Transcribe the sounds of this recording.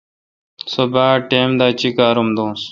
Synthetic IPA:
sobaːʈeːmd̪aːt͡ɕikaːɾumd̪õːs

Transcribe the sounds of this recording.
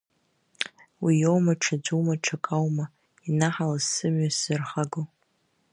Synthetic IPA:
wijowmaʈ͡ʂʰad͡ʒʷumaʈ͡ʂʰakʼawma | inaħalazsɨmɥasɨrχaɡo

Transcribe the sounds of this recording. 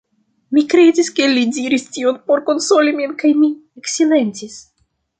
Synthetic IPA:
mikɾe̞diskelidiɾistionpo̞ɾko̞nsoliminkajmieksile̞nt͡sis

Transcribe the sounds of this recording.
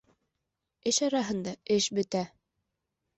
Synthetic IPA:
ɘʃɑɾɑɦɤ̆nd̪ɑɘʃbɘ̆t̪æ

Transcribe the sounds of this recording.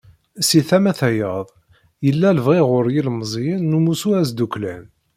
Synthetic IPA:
siθæmæθæjəðˤ | jəlːæləvʁiʁʊɾjilmzˤjinːumusuæs̬d̪uklæn

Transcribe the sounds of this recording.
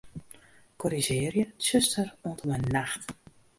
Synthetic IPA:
kʰɔɾizɪːrjəsøstəroəntʰɔmənːaxt

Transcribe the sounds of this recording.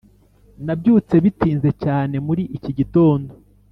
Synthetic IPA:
nabɟuːt͡se̞βitiːnze̞caːne̞muɾiʔiciɟito̞ːndo̞

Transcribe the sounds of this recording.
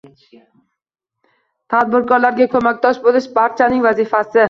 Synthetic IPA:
t̪ʰad̪̚bɪɾkʰɒɾlaɾɡʲakʰɵmak̚ʲt̪ʰɒʃbolɪʃbaɾt͡ʃʰanɪŋvazɪfasɪ

